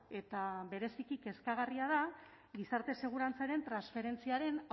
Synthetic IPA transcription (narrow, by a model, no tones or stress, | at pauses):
e̞t̪aβe̞ɾe̞sikike̞skaɣariað̞a | ɡisaɾt̪e̞se̞ɣ̞uɾant͡saɾe̞nt̪ɾansfe̞ɾe̞nt͡siaɾe̞n